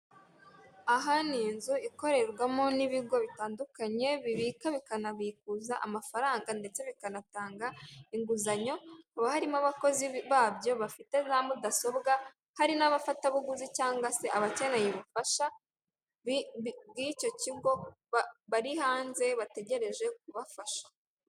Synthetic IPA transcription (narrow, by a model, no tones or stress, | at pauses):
aɦaniːnzuiko̞ɾe̞ɾɡwamo̞niβiɡo̞βitaːndukaɲe̞βiβiːkaβikanaβik̚uzaʔamafaɾaːŋɡande̞t͡se̞βikanataːŋɡaiŋɡuzaɲo̞uβahaɾimaβako̞ziβaːbjo̞βafite̞namudaso̞bɡa | haɾinaβafataβuɡuzicaːŋɡwase̞ʔaβace̞nejeβufaʃa | ɡico̞ciɡo̞ | βaɾihaːnze̞βate̞ɟe̞ɾe̞ʒe̞k̚uβafaʃḁ